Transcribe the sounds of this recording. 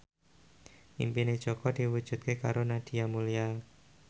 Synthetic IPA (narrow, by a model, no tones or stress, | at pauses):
ʔḭmpined̥ʒ̥okɔd̥iwud̥ʒ̥ṳt̪̚kekaɾonad̥iamulial